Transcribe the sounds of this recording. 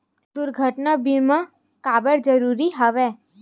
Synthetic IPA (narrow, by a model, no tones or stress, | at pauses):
d̪ʊɾɡʱəʈnabimã | kabəɾd͡ʒəɾuɾiɦəʋe